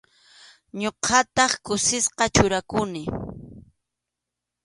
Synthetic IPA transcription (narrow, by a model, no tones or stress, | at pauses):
ɲoqʰɑt̪ɑχkʊsɪsqɑt͡ʃʊɾakʊnɪ